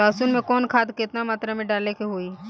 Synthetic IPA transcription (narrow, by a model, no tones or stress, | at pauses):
aːsuːnmẽkɔːnkʰaːd̪kɪt̪namaːt̪ɾamẽɖaːlekeɦoːiː